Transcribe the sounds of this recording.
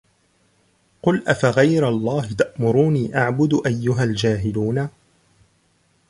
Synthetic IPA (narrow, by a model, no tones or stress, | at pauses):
qʊlʔafaɣajɾalˤːɑːɦɪt̪aʔmʊɾuːniːʔaʕbʊd̪ʊʔajːʊɦald͡ʒaːɦɪluːna